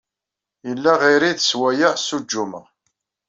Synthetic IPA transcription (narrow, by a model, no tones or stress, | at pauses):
jəlːæʁiɾiðəswæjæsud͡ʒːumə